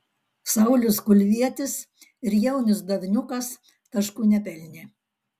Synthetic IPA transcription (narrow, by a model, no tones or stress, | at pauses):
sɐʊlʲʊskʊlʲʋʲiɛt̪ʲɪs | ɪɾjɛʊnʲɪsd̪ɐʋʲɪnʲʊkɐs | t̪ɐʃkuːnʲɛpʲɛlʲnʲeː